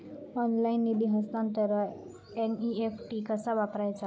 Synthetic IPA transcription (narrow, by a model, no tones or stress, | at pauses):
ɔnlajnːib̪iɦəst̪ãnt̪əɾə | eniepʰʈikasabapɾajt͡ʃa